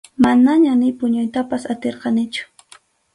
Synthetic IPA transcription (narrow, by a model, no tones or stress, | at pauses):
manaɲanɪpʊɲʊjt̪apasat̪eɾqɑnɪt͡ʃʊ̥